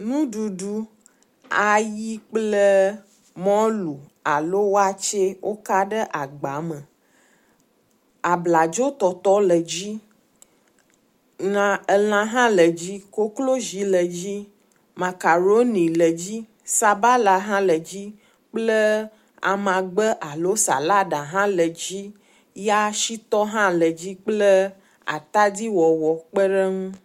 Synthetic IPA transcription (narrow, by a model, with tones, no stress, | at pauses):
nũ˦ɖu˨ɖu˦ | a˨ji˦k͡plə˦ | mɔ̃˦lu˨a˨lo˦wo˦a˨t͡ʃe˦wʔo˦ka˦ɖə˦ʔa˨ɡ͡ba˨˦mə˨ | a˨bla˨d͡ʒo˦t̪ɔ˨t̪ɔ˦lə˨d͡ʑi˦ | nã˦ə˨l̃ã˦ɦã˦lə˨d͡ʑi˦ko˦klo˦ʒi˨˦lə˨d͡ʑi˦ | mã˨ka˨ɾo˦nĩ˨lə˨d͡ʑi˦ | sa˨ba˦la˨ɦã˦lə˨d͡ʑi˦ | k͡plə˦ | a̰˨mã˨ɡ͡bə˦ʔa˨lo˦sa̰˨la˦ɖa˨ɦã˦lə˨d͡ʑi˦ | ja˦ʃi˦t̪ɔ˦ɦã˦lə˨d͡ʑi˦k͡plə˦ | a̰˨t̪a˦di˦wɔ˨wɔ˨k͡pə˦ɖə˦ŋũ˦